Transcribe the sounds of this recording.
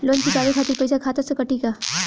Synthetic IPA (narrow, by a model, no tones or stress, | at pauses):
loːnd͡ʒikaːɾikʰaːt̪ɪɾpɐjsakʰaːt̪ɐsəkɐʈikaː